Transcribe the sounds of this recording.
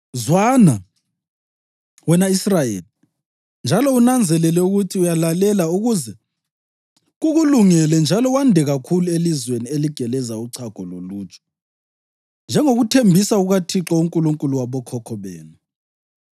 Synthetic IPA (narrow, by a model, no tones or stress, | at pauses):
zwana | wɛnaisrajḛːli | nd͡ʒʱalɔunand͡zʱɛlɛlɛuɣutʰiujalalɛlauɣuzɛ | ɣuɣuluŋɛlɛnd͡ʒʱalɔwandʱɛɣakʰuluelizwenieliɡ̥ʱɛlɛzauǀʰaɡ̥ʱɔloluːt͡ʃʰʼɔ̥ | nd͡ʒʱɛŋoɣutʰembʱisauɣatʰiǁɔuŋkʼuluŋkʼuluwaβɔkʰɔkʰɔβeːnu